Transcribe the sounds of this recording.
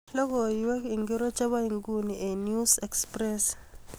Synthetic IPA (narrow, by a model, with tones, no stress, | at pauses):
lɔ˦kɔ˨jwɛ˦i˨ŋɡi˦ɾɔ˦t͡ʃa˦βa˦i˨ŋɡu˦ni˨ʔe˨nju˦sɛ˨ksprɛs